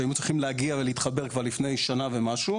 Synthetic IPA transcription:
aimut͡sʁiχimlehaɡiaveleit̪χabe̞ʁkvaʁlifne̞jʃanavemaʃu

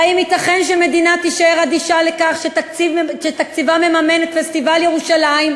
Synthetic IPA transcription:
aimit̪aχenʃeme̞d̪inat̪iʃaeʁad̪iʃalekaχʃett͡sivʃet̪ak̚t͡sivamemame̞net̪fest̪ivaljeʁuʃalaim

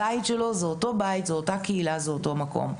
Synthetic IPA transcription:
aitʃelo̞zeoto̞bait̪zeotakeilazeoto̞mako̰m

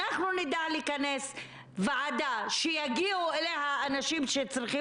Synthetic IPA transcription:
aχnunid̪aliːkanes | vaʕad̪aʃejaɡiuelehaːnaʃimʃet͡sʁiχi

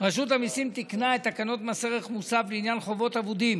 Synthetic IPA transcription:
ʁaʃut̪hamisimt̪iknaet̪ːakano̞t̪maseʁeχmusavliinjanχo̞vo̞t̪avud̪im

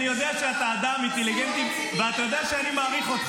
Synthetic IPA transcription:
nijo̞d̪eaʃeat̪aːd̪amint̪eliɡent̪im | veat̪ajo̞d̪eaʃeanimaːʁiχo̞t̪

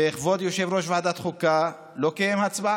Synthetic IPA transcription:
eeχvo̞d̪joʃevɾo̞ʃvad̪at̪χuka | lokejemhat͡sba

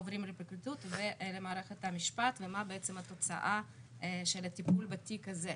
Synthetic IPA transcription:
ovɾimɾepikɾit̪ut̪velemaːɾeχet̪hamiʃpat̪vemabeet͡semat̪o̞t͡sa̰ʔa | ʃelat̪ipulbat̪ikaze

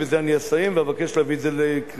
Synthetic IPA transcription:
vezeaniasajimveavakeʃleavizelekʁ

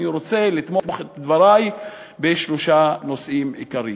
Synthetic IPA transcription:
iɾo̞t͡se̞lit̪motmoχet̪ad̪vaɾaj | be̞ʃloʃano̞sʔimḭkaɾi

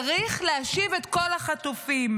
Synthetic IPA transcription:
ʁiχleaʃivet̪ko̞laχat̪ufim

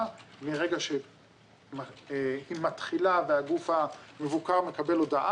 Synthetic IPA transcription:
miʁeɡaʃe | mahimat̪χilaveaɡufhame̞vukaʁme̞kabe̞lo̞d̪aʔa

